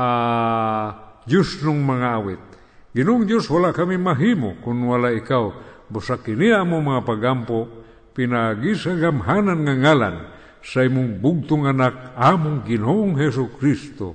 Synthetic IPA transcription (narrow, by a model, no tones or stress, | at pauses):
a | d͡ʒʊsnʊŋmaŋaawɪt̪̚ | ɡinoʊŋd̪joswalaʔkamimaɦimokʊnwalaikawbusakiniaʔamomaŋapaɡampoʔ | pinaɡisaɡamɦananŋaŋala̰n | saimʊŋbʊɡ̚t̪ʊŋanak̚amʊŋɡinoʔoŋɦes̬ʊkɾist̪o̰